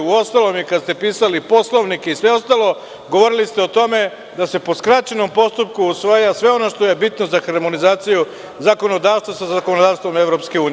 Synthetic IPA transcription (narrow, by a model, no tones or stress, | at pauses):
uo̞st̪alo̞mikad̪st̪e̞piːsalipo̞slˠo̞ʋnike̞isʋe̞o̞st̪alˠo̞ | ɡo̞ʋo̞ɾilist̪e̞ot̪o̞me̞ | d̪ase̞po̞skɾat͡ʃeno̞mpo̞st̪up̚kuusʋajasʋe̞o̞no̞ʃt̪o̞je̞bit̪no̞zaxaɾmo̞nizaːt̪siju | zako̞no̞d̪aːʋst̪ʋasazako̞nod̪aːʋst̪ʋo̞meʋɾo̞pskeuːn